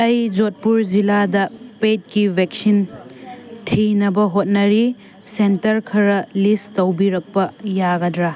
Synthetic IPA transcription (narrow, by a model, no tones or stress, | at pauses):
ɐjd͡ʒot̚puɾd͡ʒiladɐpet̚kibʱeksin | tʰinɐbɐɦot̚nɐɾi | sentɐɾkʰɐɾɐlistɐwbiɾɐk̚pɐjaɡɐdɾa